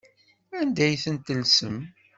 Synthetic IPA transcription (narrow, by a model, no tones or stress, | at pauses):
ænd̪æjθənt̪əlsəm